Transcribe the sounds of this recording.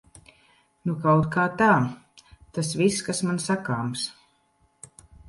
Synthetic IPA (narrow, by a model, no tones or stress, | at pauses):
nukawt̪kaːt̪aː | t̪asviskasmansakaːms